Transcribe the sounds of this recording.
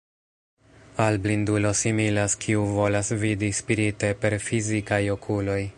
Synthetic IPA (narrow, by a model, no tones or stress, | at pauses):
alblindulo̞similaskʰiuvo̞lasvidispiɾite̞pe̞ɾfizikajo̞kʰulo̞j